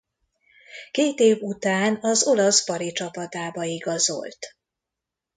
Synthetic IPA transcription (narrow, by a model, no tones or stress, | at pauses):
keːt̪eːvut̪aːnɒzo̞lɒspɒɾit͡ʃɒpɒt̪aːbɒiɡɒzo̞̰lt̪